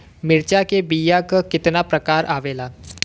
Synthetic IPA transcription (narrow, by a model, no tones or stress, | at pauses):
mɪɾt͡ʃakebiːjakakɪt̪napɾɐkaːɾʔaːʋeːlaː